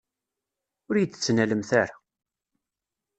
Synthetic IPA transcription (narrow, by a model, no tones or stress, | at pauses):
ʊɾjt͡s̪ːt͡sːnæləmθæɾa